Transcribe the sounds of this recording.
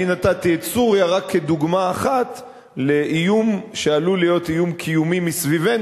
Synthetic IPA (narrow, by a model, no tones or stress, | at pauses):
inatat̪iesuʁjaʁakʰːe̞d̪uɡmaːχat̪ | le̞ʔijumʃealulijo̞t̪ijumkʰijumimisviven